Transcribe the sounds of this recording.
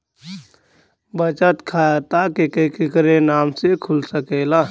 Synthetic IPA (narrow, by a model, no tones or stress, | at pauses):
bət͡ʃət̪kʰat̪akekekɪkɾenaːmsekʰʊlsəkeːlaː